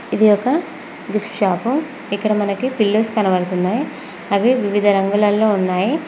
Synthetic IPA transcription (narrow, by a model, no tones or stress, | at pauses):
id̪ijɔkɐ | ɡ̪uʂʃaːpɐm | ikːɐɽɐmɐnɐkipilːoːskɐnɐʋɐɽɐt̪und̪aːji | ɐʋiʋiʋid̪ʱɐɾɐŋɡulɐlːo̞ːunːaːji